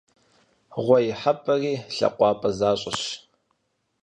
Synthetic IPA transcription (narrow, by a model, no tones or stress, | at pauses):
ʁʷɔjɪħapʼɐriːɬɐ̰qʷɑːpʼɐzaːɕʼɪɕ